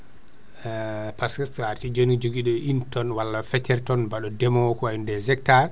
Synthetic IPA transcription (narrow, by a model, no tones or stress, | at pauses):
paskɛstɔaɾtid͡ʒonid͡ʒoɡiɗɔʔintɔnwalːafɛtɛɾtɔnbaɗɔdɛmɔkɔwajindɛzɛkta